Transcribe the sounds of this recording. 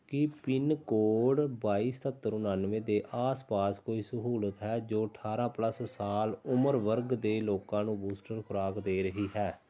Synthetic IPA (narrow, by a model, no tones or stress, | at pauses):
kɪpɪnkoːɖbaːiːst̪ʰət̪ːəɾʊnaːnʋẽːd̪eːʔaːspaːskoːiːsəɦuːlət̪ɦɛːd͡ʒoːəʈʰaːɾãːpləssaːlʊməɾʋəɾɡd̪eːloːkãːnũːbuːsʈəɾkʰʊɾaːkd̪eːɾəɦiːɦɛː